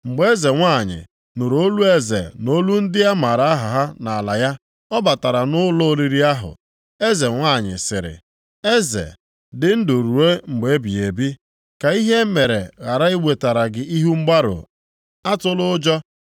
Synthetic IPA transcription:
ŋ͡m̩˨ɡ͡be˦ze˨ŋʷa˦˨ɲɪ̰˨ | nʊ˨ɾo˦lu˦e˦zḛ˨no˦lu˦n̩˦dɪ˦ja˦ma˨ɾa˦a˦ɦʊ˨ɦa˦na˨a˨la˨ja˦ | ɔ˦ba˨ta˨ɾa˨nʊ˦lɔ˦li˨ɾi˦a˦ɦʊ̰˨ | e˦ze˨ŋʷa˦˨ɲɪ̰˨sɪ̰˨ɾɪ̰˨ | e˦zḛ˨ | dɪ˨n̩˦dʊ˨ɾu˨ɾe˦ŋ͡m̩˨ɡ͡be˦bi˨e˨bi˦ | ka˨i˦ɦe˦me˨ɾe˨ɣa˨ɾa˦i˦we˨ta˨ɾa˨ɡɪ˨i˦ɦu˦ŋ͡m̩˦ɡ͡ba˦ɾʊ̰˨ | a˦tʊ˦lʊ˦d͡ʒɔ˦

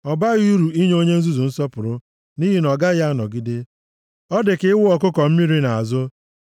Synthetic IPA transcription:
ɔ˨ba˦ɣi˦ɾu˨i˦ɲ˦o˦ɲe˦n̩˦zu˦zu˨n̩˦sɔ˦pʊ˨ɾʊ˦ | ni˦ɦi˨nɔ˨ɡa˦ɣa˦a˦nɔ˨ɡi˦de˦ | ɔ˦dɪ˨kɪ˦wʊ˦ɔ˨kʊ˦kɔ˨m̩˦mi˦ɾi˦na˨a˨zʊ˦

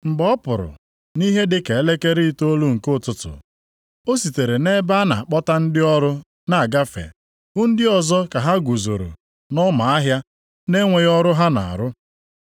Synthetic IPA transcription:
ŋ͡m̩˨ɡ͡bɔ˦pʊ˨ɾʊ̰˨ | ni˦ɦe˦dɪ˦ke˨e˦le˦ke˦ɾi˦i˦to˦lu˦ŋ̩˨kʊ˦˨tʊ˨tʊ̰˨ | o˦si˨te˨ɾe˨ne˦ba˦na˨a˨k͡pɔ˦ta˦n̩˦dɪ˦ɔ˦ɾʊ˦ | na˨a˨ɡa˦fḛ˨ | ʊ˦n̩˦dɪ˦ɔ˨zɔ˦ka˨ɦa˦ɡʷu˨zo˨ɾo̰˨ | nɔ˦ma˨a˦ɦja˦ | ne˦ŋʷe˨jɔ˦ɾʊ˦ɦa˦na̰˨a̰˨ɾʊ˦

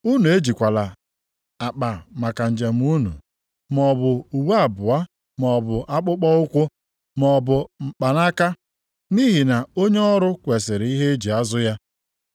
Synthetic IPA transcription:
u˦nu˨e˦d͡ʒi˨kʷa˨la˨ | a˨k͡pa˨ma˨ka˨n̩˨d͡ʒe˨m̩˦u˦nṵ˨ | m˦ɔ˨bʊ˨u˨wa˨bʊ˨a˦ | mɔ˨bʊ˨ʔa˦k͡pʊ˦k͡pɔ˦ʊ˦kʷʊ˦ | mɔ˨bʊ˨m̩˨k͡pa˨na˦ka˦ | ni˦ɦi˨na˨o˦ɲe˦ɔ˦ɾʊ˦kʷe˨sɪ˨ɾi˦ɦe˦e˦d͡ʒi˨a˦zʊ˦ja˦

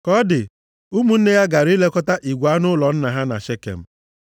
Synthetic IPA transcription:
kɔ˦dɪ˨ | u˦mu˦n̩˦ne˦ja˦ɡa˨ɾi˦le˦kɔ˦ta˦ʔi˨ɡʷa˦nʊ˦lɔ˨n̩˦na˨ɦa˦na̰˨ʃe˦kḛ˨m̩˦

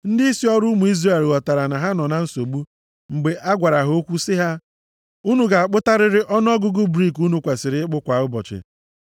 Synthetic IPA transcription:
n̩˦dɪ˦i˦si˦ɔ˦ɾʊ˦mu˨i˦zɾe˦˨lɣɔ˨ta˨ɾa˨na˨ɦa˦nɔ˨na˦n̩˦so˨ɡ͡bu˦ | ŋ͡m̩˨ɡ͡be˨ʔa˦ɡʷa˨ɾa˨ɦo˦kʷu˦sɪ˦ɦa˦ | u˦nu˨ɡa˨a˨k͡pʊ˦ta˦ɾɪ˦ɾɪ˦ʔɔ˦n˦ɔ˦ɡʊ˦ɡʊ˦bɾi˦˨ku˦nu˦kʷa˨sɪ˨ɾɪ˦k͡pʊ˦kʷa˨ʊ˦bɔ̰˨t͡ʃɪ̰˨

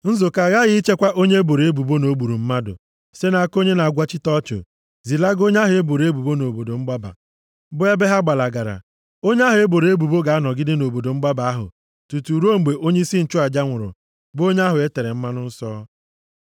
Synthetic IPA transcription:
n̩˦zo˨ka˨ɣa˦ɣɪ˦i˦t͡ʃe˦kʷa˦ʔo˦ɲe˦e˦bo˨ɾe˨e˦bu˨bo˦no˨˦bu˨ɾu˨m̩˦ma˦dʊ̰˨ | se˦na˨˦ko˦ɲe˦na˨ɡʷa˦t͡ʃɪ˦tɔ˦t͡ʃo̰˨ | zi˨la˦ɡo˦ɲ˦a˦ɦʊ˨e˦bo˨ɾe˦bu˨bo˦no˨bo˨do˨ŋ͡m̩˦ɡ͡ba˦ba̰˨ | bʊ˦e˦be˦ɦa˦ɡ͡ba˨la˨ɡa˨ɾa̰˨ | o˦ɲ˦a˦ɦʊ˨e˦bo˨ɾe˦bu˨bo˦ɡa˨a˦nɔ˨ɡɪ˦dɪ˦no˨bo˨do˨ŋ͡m̩˦ɡ͡ba˦ba˨a˦ɦʊ̰˨ | tu˨tu˨ɾo˦ŋ͡m̩˨ɡ͡be˨ʔo˦ɲe˦i˦si˦n̩˨t͡ʃʊ˦a˨d͡ʒa˦ŋʷʊ˨ɾʊ̰˨ | bo˦ɲe˦a˦ɦʊ˨e˦te˨ɾe˨m̩˦ma˦nʊ˦n̩˦sɔː˦

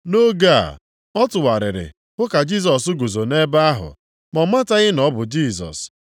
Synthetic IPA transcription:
no˦ɡa˦˨ | ɔ˦tʊ˨wa˨ɾɪ̰˨ɾɪ̰˨ | bʊ˦ka˨d͡ʒi˦˨s̬ɔ˨s̬ʊ˦ɡu˨zo˨ne˦ba˦ɦʊ̰˨ | mɔ˨ma˦ta˦ɣɪ˦nɔ˨˦bʊ˨d͡ʒi˦sɔ̰˨s

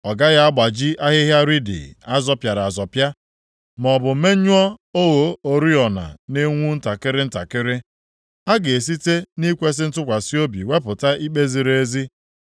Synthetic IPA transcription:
ɔ˨ɡa˦ɣa˦a˦ɡ͡ba˨d͡ʒi˦ʔa˦ɦɪ˦ɦja˦ɾi˦dɪ̰˨a˦zɔ˦pja˨ɾa˨zɔ˨pja˦ | m˨ɔ˨bʊ˨˦me˦ɲu˦ɔ˦o˦ɣo˨o˨ɾi˦ɔ˨na̰˨ne˦ŋʷu˦n̩˦ta˨kɪ˦ɾɪ˦n̩˦ta̰˨kɪ˦ɾɪ˦ | a˦ɡe˨e˨s̬i˦te˦ni˦kʷe˦s̬ɪ˦n̩˦tʊ˦kʷa˨si˦o˦bḭ˨we˦pʊ˨ta˦i˦k͡pe˦zi˨ɾe˦e˦zi˦

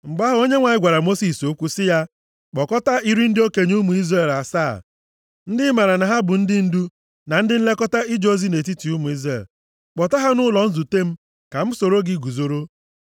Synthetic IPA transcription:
ŋ͡m̩˨ɡ͡ba˦ɦo˦ɲe˦ŋʷa˨ɲɪ˦ɡʷa˨ɾa˨mo˦si˨so˦kʷu˦sɪ˦ja˦ | k͡pɔ˨kɔ˦ta˦i˦ɾi˦n̩˦dɪ˦o˦ke˨ɲ˦u˦mu˨i˦zre˦˨la˨sa̰ː˦˨ | n̩˦dɪ˦ma˨ɾa˨na˨ɦa˦bʊ˨n̩˦dɪ˦n̩˦du˦ | na˨n̩˦dɪ˦n̩˦le˦kɔ˦ta˦i˦d͡ʒo˦zi˦ne˨t̬i˦ti˨u˦mu˨i˦zɾe˦˨l | k͡pɔ˨ta˦ɦa˦nʊ˦lɔ˨n̩˦zu˨te˦m̩˦ | ka˨m̩˦so˨ɾo˦ɡɪ˦ɡu˨zo˦ɾo˦

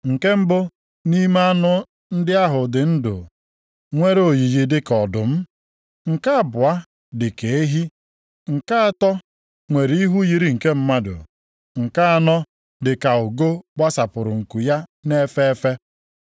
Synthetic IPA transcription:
ŋ̩˨ke˦m̩˦bʊ˦ | ni˦me˦a˦nʊ˦ | n̩˦dɪ˦a˦ɦʊ˨dɪ˨n̩˦dʊ̰˨ | ŋʷe˦ɾo˨ji˨d͡ʒi˨dɪ˦kɔ˨dʊ˨m̩˦ | ŋ̩˨ka˦a˨bʊ˨a˦ | dɪ˨ke˨e˦ɦi˦ | ŋ̩˨ka˦a˦tɔ˦ | ŋʷe˨ɾi˦ɦu˦ji˨ɾi˦˨ŋ̩˨ke˦m̩˦ma˦dʊ̰˨ | ŋ̩˨ka˦a˨nɔ˦ | dɪ˨ka˨ʊ˨ɡo˦ɡ͡ba˦sa˨pʊ˨ɾʊ˨ŋ̩˨ku˨ja˦ne˦fe˦e˦fe˦

